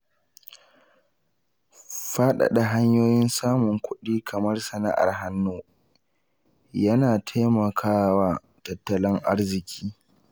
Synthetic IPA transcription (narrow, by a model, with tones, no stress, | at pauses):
ɸa˦ɗa̰˨ɗa˨ɦa˦ɲjoː˦jɪ˦nsaː˦mʊ˨ŋkʷʊ˦ɗiː˦kʰɐ˨mɐ˦rsɐ˨na̰˦ʔa̰˨rɦa˦nːoː˦ | jɐ˦naː˨tʰa˦jmɐ˨kʰaː˦waː˦ | tɐ˨tːɐ˨lɪ˦ŋʔa˦rzɪ˨kʲʰiː˦